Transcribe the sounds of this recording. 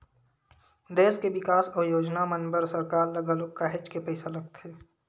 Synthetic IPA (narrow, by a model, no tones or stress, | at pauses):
d̪eːskeʋɪkaːsɔːjoːd͡ʒnamənbəɾsəɾkaːɾlɐɡəlokaɦɪt͡ʃkepəɪsalɐɡ̚t̪ʰeː